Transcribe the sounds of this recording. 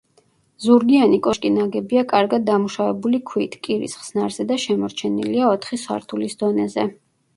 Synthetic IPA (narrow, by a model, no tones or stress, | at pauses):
zuɾɡianikʼɔʃkʼinaɡɛbiakʼaɾɡad̪̚ːamuʃavɛbulikʰwit̪ʰkʼiɾḭsχsnaɾz̥ɛd̪aʃɛmɔɾt͡ʃʰɛnḭliaɔt̪ʰχiswa̰ɾt̪ʰulisd̪ɔnɛzɛ